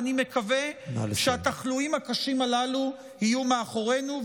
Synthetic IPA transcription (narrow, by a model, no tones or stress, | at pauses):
nime̞kave̞ʃeat̪aχluimhakaʃimalalu | hijumeaχo̞ʁe̞nu